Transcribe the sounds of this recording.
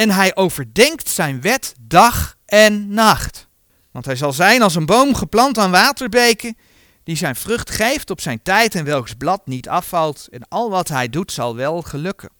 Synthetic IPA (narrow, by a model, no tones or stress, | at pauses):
ɛnɦɛjʔowvəɹdɛŋktsɛjnʋɛtdɑχ | ɛnːɑχt | ʋɑ̰ntɦɛjzɑlˠzɛjnɑlˠs̬ənbowmχəplɑntaːnʋaːtəɹbejkə | d̥izɛjnv̥rɵχtχejftɔpsɛjntɛjtɛnʋɛlˠksblɑtnitɑfɑlˠtɛnɑlˠʋɑtɦɛjdutsɑ̰lˠʋɛlˠχəlɵkən